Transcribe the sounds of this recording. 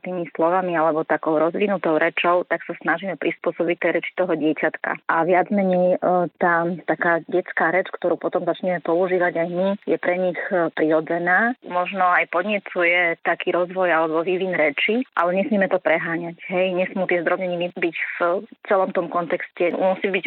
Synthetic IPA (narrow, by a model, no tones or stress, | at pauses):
t̪iːmislɔʋamialɛbɔt̪akɔʊɾɔzʋinut̪ɔʊɾɛt͡ʃɔʊt̪aksasnaʒiːmɛpɾispʊɔsɔbic̚t̪ːɛjɾɛt͡ʃi̥t̪ɔɦɔɟɪɛcat̪ka̰ʔaʋɪad͡zmɛɲɛjt̪aːt̪akaːɟɛt͡skaːɾɛt͡ʃkt̪ɔɾuːpɔt̪ɔmzat͡ʃɲɛmɛpɔuʒiːʋaɟajmijɛpɾɛɲixpɾiɾɔd͡zɛnaːmɔʒnɔajpɔd̪ɲɛt͡sujɛt̪akʰiːɾɔzʋɔjalɛbɔʋiʋinɾɛt͡ʃiʔalɛɲɛsmiɛmɛt̪ɔpɾɛɦaːɲacɦɛjɲɛsmuːt̪ɪɛzd̪ɾɔbɲɛɲiibicft͡sɛlɔmt̪ɔmkɔnt̪ɛkscɛmusibic